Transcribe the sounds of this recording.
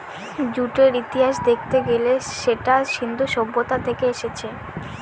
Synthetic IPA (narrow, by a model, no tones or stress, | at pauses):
d͡ʑuʈeɾit̪iɦaʃd̪ek̚ʰt̪eɡeleʃeʈaʃind̪ʱuʃɔbːot̪at̪ʰekeeʃet͡ɕʰe